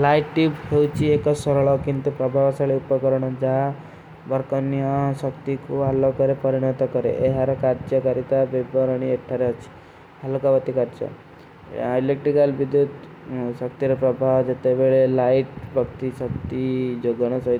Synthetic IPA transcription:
lajʈʈipɦewt͡ʃʰiekɔsɔɾɔɭɔkint̪upɾɔbʱawɔsaɭeupɔkɔɾɔɽ̃ɔd͡ʒa | bɔɾkɔnijɔsɔkt̪ikuɦalɔkɔɾepɔɾiɽ̃ɔt̪ɔkɔɾḛʔeɦaɾɔkaɾd͡ʒɔkaɾit̪abebɔɾɔɽ̃ieʈʰːaɾeɔt͡ʃʰi̥ | alɔkabɔt̪ikaɾd͡ʒɔ̰ | ajlek̚ʈɾikalbid̪jud̪ | sɔkt̪iɾɔpɾɔbʱawd͡ʒet̪ebeɭelajʈbʱɔkt̪isɔk̚t̪id͡ʒoɡɔɽ̃ɔsɔɦi

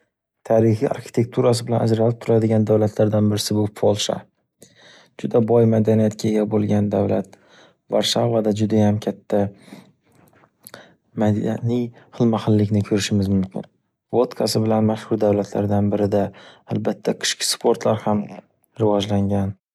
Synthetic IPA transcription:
t̪ʰaɾɪhija̰ɾxɪ̥t̪ʰe̞k̚t̪ʰuɾas̬ɪbɪlanad͡ʒɾalɪp̚t̪ʰʊɾad̪ɪɡʲand̪awlat̪ʰlaɾd̪anbɪɾɪsɪbʊfʰolˠʃa̰ | d͡ʒʊd̪abɒjmad̪anijat̪kʲʰaeɡʲabolˠɡʲand̪awlat̪ | vaɾʃavad̪ad͡ʒʊd̪ajamkʲʰat̪ʰːa | mad̪anɪj | hɨlˠmaχɪlːɪkʲnɪkʰɵɾɪʃɪmɪzmʊmkʲɪ̰n | vot̪kʰasɪbɪlanmaʃhʊɾd̪awlat̪ʰla̰ɾd̪anbɪɾɪd̪aːlbat̪ʰːaqʰɪ̥ʃkʲʰɪ̥spʰoɾt̪laɾham | ɾɪvɒd͡ʒlaŋɡʲan

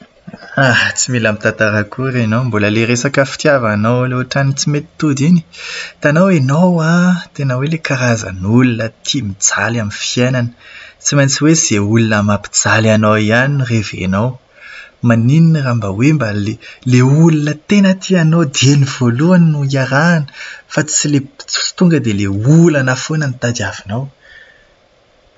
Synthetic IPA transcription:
at͡similamit̪ant̪aɾəkuɾenombuləleɾesakəfi̥t̪javanowleaʈ͡ʂanit͡simet̪i̥t̪ud̪ini̥t̪anowenowat̪enəwelekaɾazə̰nulunət̪ʰimid͡zalamifienanə̥t͡simajnt͡siwez̥eulunəmapi̥d͡zalanowianinrevḛnow | manininrambəwembaleleulunət̪enət̪ʰianowd̪enivoluannuiaɾaːnə̥fat͡silet͡si̥t̪uŋɡəd̪eleulanafonənit̪ad̪avinaw

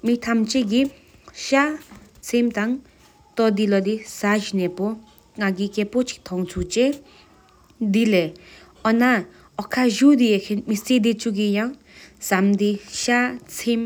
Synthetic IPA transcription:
mit̪ʰamt͡ʃeɡi | ʃat͡sʰemt̪aŋ | t̪ɔd̪ilɔd̪isaʒinɛpɔ | ŋaɡikepot͡ʃʰi̥k̚t̪ʰɔŋt͡sʰut͡ʃe | d̪ile | ɔna | ɔkʰːaʒud̪iekʰenmised̪it͡ʃuɡijaŋ | samd̪iʃat͡sʰem

